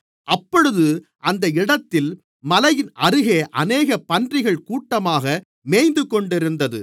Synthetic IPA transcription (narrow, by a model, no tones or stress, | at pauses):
ʔɐpːɔɻɯðɯ | ʔɐnd̪ɐɪɽɐt̪ːɪl | mɐlɐjɪnʔɐɾɯɣeːʔɐneːɣɐpɐndrɪɣɐɭkuːʈːɐmaːɣɐ | meːjnd̪ɯkɔɳɖɪɾɯnd̪ɐðɯ̰